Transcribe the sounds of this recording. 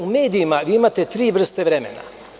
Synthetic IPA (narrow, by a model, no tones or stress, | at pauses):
ume̞ːd̪ijimaʋiːimat̪et̪ɾiːʋr̩st̪eʋɾemḛna̰